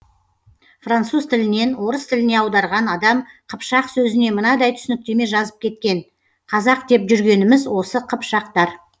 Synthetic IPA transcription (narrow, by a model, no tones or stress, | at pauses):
frant̪suzt̪ʰɪlɪne̞nwo̞ɾəst̪ʰɪlɪne̞ɑwd̪ɑɾʁɑnɑd̪ɑmqʰəpʃɑqsɵzɪne̞mənɑd̪ɑjt̪ʰʏ̥sɪnɪk̚t̪e̞me̞ʒɑzəp̚kʲʰe̞t̪̚kʲe̞n | qʰɑzɑq̚d̪e̞pʒʏɾɡʲe̞nɪmɪzwo̞səqʰəpʃɑq̚t̪ɑɾ